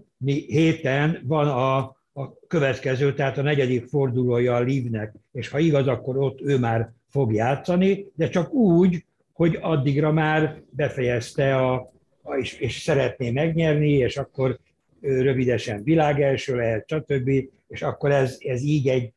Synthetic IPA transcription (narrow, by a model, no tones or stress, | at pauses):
miheːt̪ɛnvɒnɒː | kø̞vɛt̪kɛzøːt̪ɛɦaːt̪ɒnɛɟɛd̪ikfo̞rd̪uloːjɒːliːvnɛkeːʃhɒiɡɒzɒkːo̞ɾo̞t̪ːøːmaːrfo̞ɡjaːt̪sɒnid̪ɛt͡ʃɒkuːɟ | ho̞ɟɒd̪ːiɡrɒmaːrbɛfɛjɛst̪ɛɒ | eʃeːʃsɛɾɛt̪neːmɛɡɲɛrnieːʃɒkːo̞r | ørø̞vid̪ɛʃɛɱvilaːɡɛlʃøːlɛɦɛt̪ʃɒt̪ø̞bːi | eːʃɒkːo̞ɾɛzɛziːɟɛɟ